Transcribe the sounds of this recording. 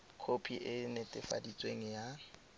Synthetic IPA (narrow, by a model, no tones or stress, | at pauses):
kʰopʰiʔɪnɪtʼɪfa̰dit͡sʼweŋ̩ja